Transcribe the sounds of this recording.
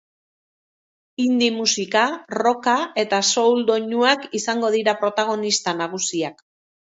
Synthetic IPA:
ind̪imusikaro̞kae̞t̪aso̞wld̪o̞ɲuakisaŋɡo̞ðiɾapɾo̞t̪aɣ̞o̞nist̪anaɣ̞usiak

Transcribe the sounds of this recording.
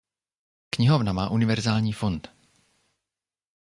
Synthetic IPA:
kɲɪɦovnamaːʔunɪvɛɾzaːlɲiːfo̞nt̪

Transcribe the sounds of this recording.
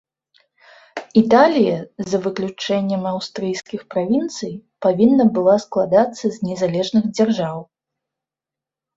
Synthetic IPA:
it̪alʲijɐzɐvɨklʲut͡ʂɛnʲːɛmawst̪ɾɨjsʲkʲixpɾavʲint̪sɨjpavʲinːɐbɨlˠasklˠad̪at̪sːɐzʲnʲɛzalʲɛʐnɨɣd͡zʲarʐaw

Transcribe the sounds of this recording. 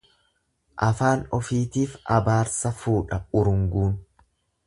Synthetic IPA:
ʔɐfaːnɔfiːt̪iːfɐbaːɾsɐfuːᶑɐʊɾʊŋɡuːn

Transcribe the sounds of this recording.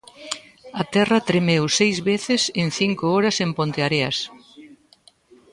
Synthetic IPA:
ɐt̪ɛrɐt̪ɾemewsejzβeθɪseŋθiŋkʊɔɾɐsempont̪eaɾeɐs

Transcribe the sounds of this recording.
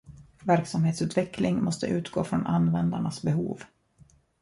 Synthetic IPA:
væɾksamheːt̪sʉ̟ːt̪vɛklɪŋmɔst̪ə̰ʔʉ̟ːt̪ɡo̰ːfɾɔnʔa̰nːvɛnd̪aɳasbɛɦṵːv

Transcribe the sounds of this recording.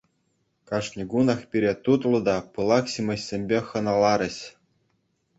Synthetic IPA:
kɑʂnʲɤ̆ɡunɑχpʲiɾʲet̪ut̪lˠɤ̆d̪ɑpɤlˠɑkɕimʲɤ̆ɕːʲemʲbʲexɤ̆nɑlˠɑɾʲɘ̆ɕ

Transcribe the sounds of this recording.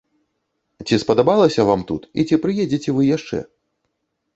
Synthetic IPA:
t͡sʲispɐd̪abalˠɐsʲɐvamt̪ut̪ḭt͡sʲipɾɨjed͡zʲet͡sʲɛvɨjaʂt͡ʂɛ̰

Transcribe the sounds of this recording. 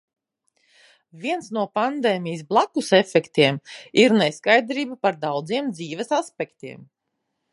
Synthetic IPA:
vʲiɛnsnuɔpand̪eːmʲijisblˠakusɛfɛkt̪iɛmiɾneskajd̪ɾiːbapaɾd̪awd̪ziɛmd̪ziːvɛsaspɛkt̪iɛm

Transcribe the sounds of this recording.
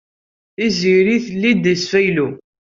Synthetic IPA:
iziɾiθlːid̪əsfæjlu

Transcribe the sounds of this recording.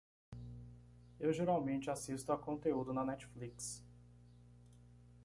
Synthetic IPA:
ewʒeɾawmẽnt͡ʃɪasist̪ʊakõnt̪eud̪ʊnɐnɛt͡ʃfliks

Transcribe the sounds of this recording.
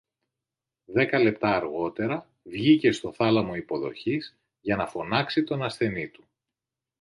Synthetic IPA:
ðe̞kɐle̞p̚t̪ɐːɾɣo̞t̪e̞ɾɐ | vʝice̞st̪o̞θɐlɐmo̞ipo̞ðo̞̰çiz̥ | ʝɐnɐfo̞nɐksit̪o̞nɐsθe̞nit̪u̥

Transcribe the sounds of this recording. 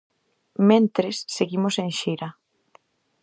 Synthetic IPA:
mẽnt̪ɾesːeɣimoseŋʃejɾa

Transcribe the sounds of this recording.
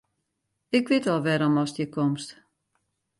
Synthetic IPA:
ɪkʋɪtɔlˠʋɛɾɔmɔsjəkʰomst

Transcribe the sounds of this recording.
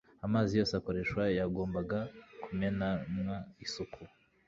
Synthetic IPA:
amaːzijo̞ːseako̞ɾe̞ʃwajaɡo̞ːmbaɡakumenamwaisukʰu

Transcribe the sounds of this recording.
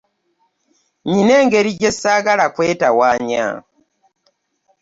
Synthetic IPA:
ɲine̞ːŋɡeɾiɟesaːɡalakweːtawaːɲa̰

